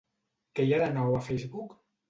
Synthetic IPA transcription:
kəjaðənɔwafɛjzβuk

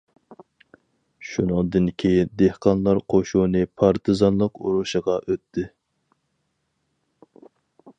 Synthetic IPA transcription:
ʃunɨŋd̪ɨnkʲʰejind̪ehqɑnlˠɑɾqʰoʃunɨpʰɑɾt̪ʰɨzɑnlˠəqṵɾuʃəʁɑʔøt̪ʰːɪ

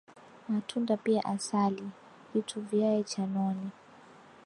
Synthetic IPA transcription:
matʰundapia̰ʔasali | vitʰuvjaɛt͡ʃanɔni

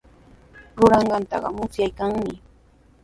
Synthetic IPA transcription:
ɾʊɾɑɴɢɑnt̪ɑ̰ɢɑ̰mʊsjajkaŋmɪ

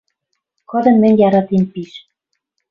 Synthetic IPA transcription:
kɤ̆d̪ɤ̆nmɘ̆nʲjɑɾɑt̪impiʃ

